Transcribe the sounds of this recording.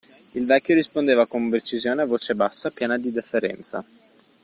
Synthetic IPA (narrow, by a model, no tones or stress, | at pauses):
ilvɛkʲːjoɾispond̪eːvakompɾet͡ʃizjoːneavoːt͡ʃebasːapjɛːnad̪id̪efːeɾɛ̰nt̪sa̰